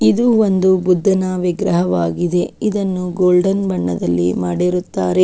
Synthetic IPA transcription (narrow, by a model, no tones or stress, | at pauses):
id̪uond̪ubud̪ʱːɐnaːʋiɡɾɐɦɐʋaːɡid̪e̞id̪ɐnːuɡoːlɖɐnbɐɳːɐd̪ɐlːḭmaːɽeɾut̪ːaːɾe